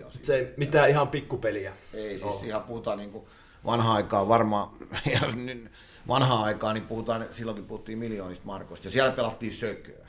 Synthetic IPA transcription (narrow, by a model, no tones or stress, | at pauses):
ɑ̰sseˑimit̪æːihɑmpikːupelijæeˑisissihæpuhut̪ɑːniːŋku | ʋɑ̰nhɑɑikɑːʋɑrmɑjɑny | ʋʔɑnhɑɑˑikɑːnippuhut̪ɑːnsilːoŋkippuhut̪ːiːmmiljoːnist̪mɑrkost̪jɑsiælæpelɑt̪ːiːssøkøæ